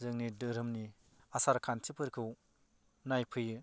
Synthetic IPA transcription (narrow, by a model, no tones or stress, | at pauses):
zɯŋnidɯɾɯmni | asaɾkʰantʰipʰɯɾkʰɯw | najpʰɯjɯ